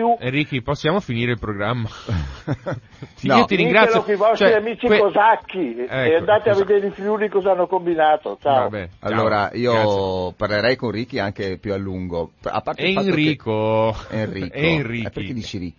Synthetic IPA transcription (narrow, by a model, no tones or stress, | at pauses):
uenriːk̟iposːjaːmofiniːɾeilpɾoɡɾamːa | nɔiot̪iɾiŋɡɾat̪sljokivɔstt͡ʃoɛɾiamiːt͡ʃikekozakːiɛeand̪at̪eavːed̪eɾifɾjulikɔzaanːokombinaːt̪ot͡ʃaobɛa̰lːoːɾaʔiːoparleɾɛjkonrik̟ːiaŋkepjualːuŋɡoa̰pːaɾrt̪eɛifaniːkʰoerḭːkɛoinriːɛkːeiɾked̪it͡ʃiɾik